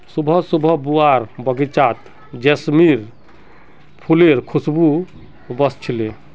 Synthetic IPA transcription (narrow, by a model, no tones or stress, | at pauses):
subʱɔsubʱɔbuaɾbɔɡit͡ʃat̪ | d͡ʒesmiɾ | pʰuleɾkʰusbu | bɔst͡ʃʰile